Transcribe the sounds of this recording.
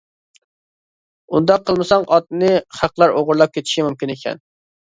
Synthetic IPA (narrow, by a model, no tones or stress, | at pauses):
und̪ɑqʰːəlˠmɨsɑŋɑt̪̚nɨχæqlˠɑɾoʁʊɾlˠɑp̚kʲʰet̪ʰɪ̥ʃimumkʲinekʲʰɛ̰n